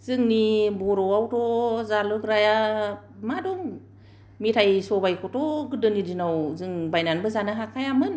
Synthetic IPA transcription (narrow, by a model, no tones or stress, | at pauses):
z̥ɯŋnibɔɾɔwawtʰɔzalɯɡɾaja | madɔŋ | mitʰajsɔbajkʰɔtɔɡɯdɯnidinawzɯŋbajnanbɯzanaɦakʰajamɯn